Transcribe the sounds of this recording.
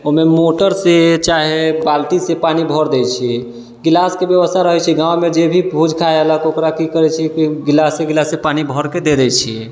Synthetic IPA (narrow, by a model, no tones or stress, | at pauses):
oɦmemoʈəɾset͡ʃaɦebalʈisepanibʱɔɾd̪ɛt͡ʃʰi | ɡilaskebjəbəst̪ʰaɾəɦɛt͡ʃʰiɡãwmed͡ʒebʱibʱud͡ʒkʰaeələkokɾakikəɾɛt͡ʃʰikiɡilaseɡilasepanibʱɔɾked̪ed̪ɛt͡ʃʰi